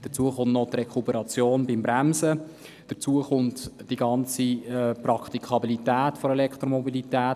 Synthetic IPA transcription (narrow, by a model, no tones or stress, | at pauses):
d̥ət͡suəχʊnnɔt̪rekʰupəɾɑt͡sjoːnbɪmbɾæmsə | d̥ət͡suəχʊntd̥iɡɑnt͡siɛpɾɑkχt̪ikʰχɑbilitɛːtfoɾɛlɛkχt̪ɾomɔbilitɛːt